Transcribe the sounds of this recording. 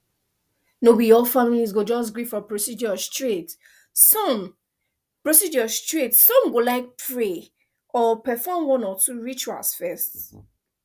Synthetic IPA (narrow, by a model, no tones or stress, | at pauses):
nobɔdiɔlfamilizɡod͡ʒɔs̬ɡɹifɹɔpɹosid͡ʒɔstɹit | sɔm | pɹosid͡ʒɔstɹitsɔ̃mɡolaɪk̚pʰɹe | ɔpɛfɔmwɔ̃nɔtuɹit͡ʃua̰lsfɛst